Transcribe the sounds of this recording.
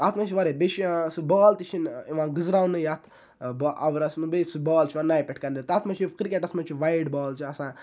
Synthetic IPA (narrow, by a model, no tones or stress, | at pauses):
at̪ʰmat͡ʃʰiʋaɾebet͡ʃʰisɨbɔːlt̪it͡ʃʰiniʋãːɡɨzɾaːwnɨjat̪ʰ | bɔʔɐʋɾɐsmɐbesubɔːlt͡ʃʰiʋãːnaːjpʲeʈʰkɐɾndeɾt̪aːt̪ʰmɐt͡ʃʰikɾikʲeʈɐsmɐt͡ʃʰiʋajɖbɔːlt͡ʃʰiɐsãː